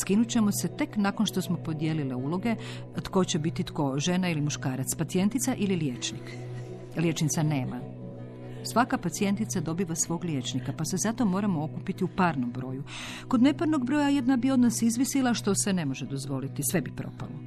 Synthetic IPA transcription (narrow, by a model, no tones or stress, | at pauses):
skinut͡ɕe̞mo̞se̞t̪e̞knakonʃt̪o̞smo̞po̞d̪je̞lileuːlo̞ɡe̞ | t̪ko̞t͡ɕebit̪it̪ko̞ʒe̞nailimuʃkaːɾat̪spat̪sije̞nt̪it̪saʔililjet͡ʃnik | lje̞t͡ʃnit̪sane̞ːma̰ | sʋakapat̪sie̞nt̪it̪sad̪o̞biʋasʋo̞ːɡlje̞t͡ʃnikapase̞zat̪o̞mo̞ːɾamo̞okupit̪iupaɾno̞mbɾo̞ːju | ko̞d̪ne̞paɾno̞ɡbɾo̞ːjaje̞d̪nabio̞d̪nasizʋisilˠaʃt̪o̞se̞ne̞mo̞ʒed̪o̞zʋo̞lit̪isʋe̞bipɾo̞̰pa̰lo